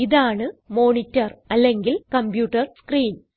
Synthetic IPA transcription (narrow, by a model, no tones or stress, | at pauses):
iðaːɳɨmo̞ːnitːɐrɐlːe̞ŋɡilkɐmbjuːʈːɐrskriːn